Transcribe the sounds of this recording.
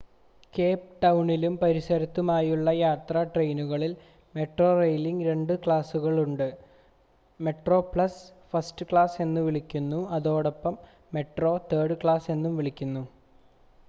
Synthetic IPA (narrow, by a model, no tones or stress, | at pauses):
keːp̚ʈɐwɳilumpɐɾisɐɾɐt̪ːumaːjuɭːɐjaːt̪rɐʈre̞jnuɣɐɭil | me̞ʈro̞ːrejliŋɡɾe̞ɳɖɨkɭaːsuɣɐɭuɳɖɨ | me̞ʈro̞ːpɭɐsfɐsʈɨkɭaːse̞nːuʋiɭikʲːunːuɐðo̞ːɽopːɐmː | e̞ʈro̞ːt̪eːɽɨkɭaːse̞nːumʋiɭikʲːunːu